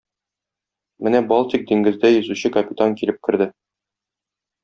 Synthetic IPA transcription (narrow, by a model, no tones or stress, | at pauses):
mɘnæbɒlˠt̪ik̚d̪iŋɡɘ̆zd̪æjɵ̆zʉɕɘkɐpʲit̪aŋkilɘp̚kɘ̆ɾd̪ɘ